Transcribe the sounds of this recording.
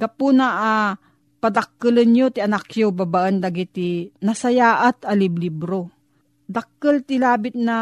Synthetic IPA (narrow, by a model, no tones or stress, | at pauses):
ɡ̥ɐpunaʔa | pɐd̪ɐkːɨlənjot̪iɐnakjobabaʔənd̪aɡit̪inɐsɐjaːʔat̪ɐlɪblibɾo | d̪ɐk̚ːəlt̪ɪlaːbɪt̪̚na